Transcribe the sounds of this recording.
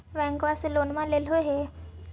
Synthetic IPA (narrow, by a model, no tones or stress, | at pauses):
ʋɛ̃ŋkʋaslonmãlelɦoɦe